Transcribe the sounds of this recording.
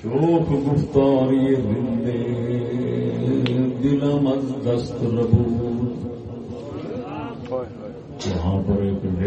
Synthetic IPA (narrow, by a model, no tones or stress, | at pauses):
t͡ʃoːkɡʊft̪aːɾiezɪnd̪e | d̪ɪlãːmɐnd̪ɐst̪ɾɐbuːl | d͡ʒɐɦãːpɐɾeːkɖe